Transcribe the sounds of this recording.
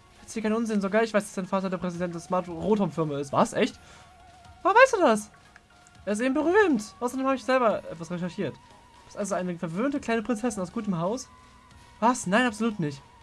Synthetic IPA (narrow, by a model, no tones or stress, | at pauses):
hattʰhiːɐkʰaɪnʔʊnzɪnzoɡaːɐɪçv̥aɪsd̥asd̥aɪnfaːtɐdeːɐpʁ̥ɛzidɛnt̚d̥eɐsmaɐtʁoːthɔmfɪɐmaɪstvasʔɛçt | aːvaɪsd̥uːdas | ʔeːɐɪstʔeːbm̩bəʁyːmtʔaʊsɐdeːmhabɪçz̥ɛlbɐʔɛtv̥asʁeʃɛɐʃiːɐt | d̥ɪ̥stʔalzoaɪnəfɛɐvøːntəkl̥aɪnəpʁ̥ɪnt͡sɛsɪnaʊsɡ̥uːtəmɦaʊs | vasnaɪnʔapz̥oluːtnɪçt